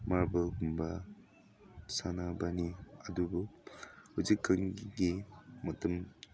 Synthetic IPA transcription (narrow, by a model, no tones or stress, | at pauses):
maɾbaɡumba | sanabaniɐdubuhuzikʰːɐŋɡɡimɐtum